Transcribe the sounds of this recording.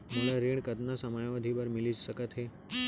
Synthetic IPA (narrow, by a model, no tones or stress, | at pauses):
məlaɾeɳkət̪nasəmajʋəd̪ʱibəɾmɪlid͡ʒsəkət̪ɦe